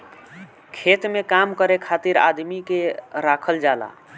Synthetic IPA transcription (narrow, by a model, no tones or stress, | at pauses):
kʰet̪mekamkəɾekʰat̪iɾa̰d̪mikeɾakʰəld͡ʒala̰